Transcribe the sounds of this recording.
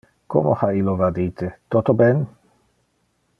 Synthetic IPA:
ko̰mo̰hailːovad̪iːt̪et̪ot̪obɛn

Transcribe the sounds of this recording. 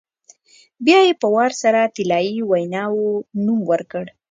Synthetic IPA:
bjɑjepəwɑɾsaɾat̪ɪlɑjiwajnɑwonumwəɾkəɽ

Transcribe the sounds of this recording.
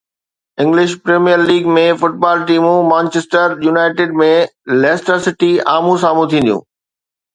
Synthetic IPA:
ɪ̃ŋɡlɪʃpɾeːmijəɾliːɡmẽfʊʈ̚baːlʈiːmũmãːnt͡ɕesʈəɾjuːnaːɪʈeːɖmẽlɛːsʈəɾsɪʈiaːmũs̬aːmũt̪ʰĩːnd̪jṵ̃ː

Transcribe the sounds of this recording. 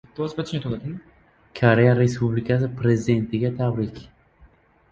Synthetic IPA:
t̪ːazbat̪ʰɪʃnt̪ʰolad̪ɪm | kʰoɾejaɾespublikʰas̬ɪpʰɾezɪd̪e̞nt̪ʰɪɡʲat̪ʰabɾɪkʲ

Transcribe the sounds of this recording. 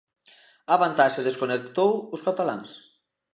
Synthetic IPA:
aβant̪aʃeðeskonekt̪owʊskat̪ala̰ŋs

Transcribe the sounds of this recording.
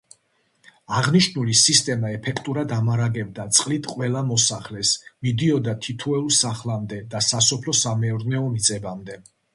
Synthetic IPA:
aʁniʃnulisist̪ʼɛmaɛpʰɛkʰt̪ʼuɾad̪amaɾaɡɛb̚d̪at̪sʼqʼlit̪ʰqʼwɛlamɔsaχlɛsmid̪iɔd̪at̪ʰit̪ʰɔɛulˠsaχlamd̪ɛd̪asasɔpʰlɔsamɛɔɾnɛɔmit̪sʼɛbamd̪ɛ

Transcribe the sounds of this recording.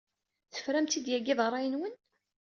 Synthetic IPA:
θə̥fɾæmt̪id̪jæɡɪðˤəɾˤːɑjənwən

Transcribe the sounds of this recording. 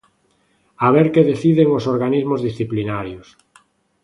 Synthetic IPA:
aβeɾkeðeθiðeŋosoɾɣanizmozðisθiplinaɾjos

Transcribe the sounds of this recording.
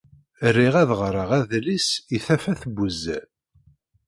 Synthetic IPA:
rːiʁæðʁɾˤəʁæðlisiθæfæθəbːəzːæ

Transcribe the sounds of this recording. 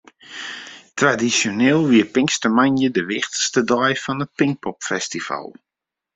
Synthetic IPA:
tradisonɪːlˠʋiəpɪŋkstəmanjədəʋɪxtə̥stədɔjfɔnət̚pɪŋ̚pʰɔpfɛstiva̰lˠ

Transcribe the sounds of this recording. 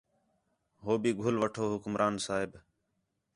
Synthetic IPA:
ɦoːbiːɡʱʊlʋəʈʰoːɦʊkmɾʔaːnsaːɦɪb

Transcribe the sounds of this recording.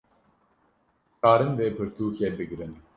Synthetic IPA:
aːɾɨnveːpʰɨɾt̪ʰuːkʰɛbɨɡɾɨn

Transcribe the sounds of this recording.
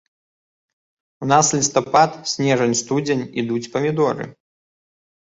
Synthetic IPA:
unaslʲist̪ɐpat̪sʲnʲɛʐɐnʲst̪ud͡zʲenʲid̪ut͡sʲpɐmʲid̪ɔɾɨ̰

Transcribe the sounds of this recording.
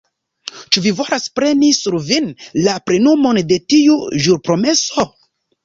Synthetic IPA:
t͡ʃuvivo̞laspɾe̞nisuɾvinlapɾe̞numo̞nde̞tiuʒuɾpɾo̞me̞so̞

